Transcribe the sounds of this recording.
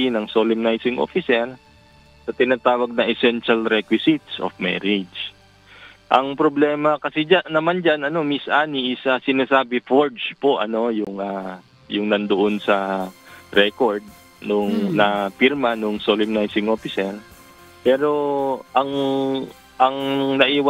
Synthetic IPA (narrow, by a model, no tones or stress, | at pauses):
inɐŋsolɪmnajsɪŋʔo̰fɪsɛɾ | sɐt̪ɪnaːt̪aːwɐɡ̚nɐʔɛsɛnʃɐlɾɛkwɪsɪt̪̚sʔo̰fmɛ̰ɾɪd͡ʒ | ʔɐŋpɾoblɛːmɐkɐsɛd͡ʒanɐmand͡ʒanɐno̞misʔaːniʔɪsɐsɪnaːsaːbɛfoɹd͡ʒpoʔɐ̰no̞jʊŋa | jʊŋnɐnd̪oʔonsɐ | ɾɛkoɹd̪̚ | nʊŋnɐfiɾmɐnʊŋsolɪmnajsɪŋʔoːfɪsɛɹ | pɛːɾo̞ʔɐŋ | ʔɐŋnɐʔiːwɐ